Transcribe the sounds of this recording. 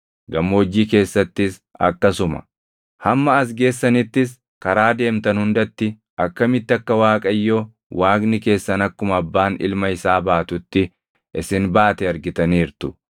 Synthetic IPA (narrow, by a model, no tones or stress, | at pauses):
ɡɐmːoɔd͡ʒːiːke̞ːsːɐt̪ːɪs | ɐ̰kːɐsʊmɐ̰ | hɐmːɐːs̬ɡe̞ːsːɐnɪt̪ːɪs̬ | kɐɾaːd̪e̞ːmt̪ɐnhʊnd̪ɐt̪ːɪ | ʔɐkːɐmɪt̪ːɪɐkːɐwaːkʼɐjːoː | waːɡnɪke̞ːsːɐnɐkːʊmɐbːaːnɪ̰lmɐɪsaːbaːt̪ʊt̪ːɪ | ʔɪsɪnbaːt̪ɛɐɾɡɪt̪ɐniːɾt̪ʊ̥